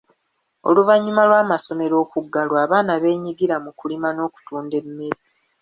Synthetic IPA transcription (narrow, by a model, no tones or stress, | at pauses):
o̞̰luvaɲːumalwaːmaso̞me̞ɾo̞ːkuɡːalwaːβaːnaβe̞ːɲiɡiɾamukulimano̞ːku̥tuːnde̞mːe̞ɾi